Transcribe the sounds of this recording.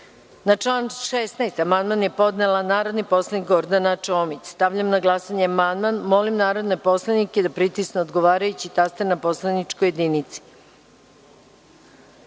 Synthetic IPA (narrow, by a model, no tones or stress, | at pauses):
nat͡ʂlˠanʃesnaest̪amand̪manje̞po̞d̪nelanaːɾo̞d̪nipo̞slˠanikɡo̞ɾd̪anat͡ʃoːmit͡ɕst̪aʋʎamnaɡlˠasaɲeamand̪manmo̞limnaːɾo̞d̪ne̞po̞slˠaniked̪apɾit̪isneod̪ɡo̞ʋaːɾajut͡ɕit̪ast̪enapo̞slˠanit͡ʂkojed̪init̪si̥